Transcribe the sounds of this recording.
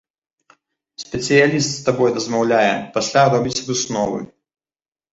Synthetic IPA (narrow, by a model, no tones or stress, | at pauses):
sʲpʲɪt̪sɨjɐlʲist̪st̪ɐbɔjd̪əzmɐvlʲæjəpɐsʲlʲad̪obʲɪt͡sʲbɨsnɔvɨ̰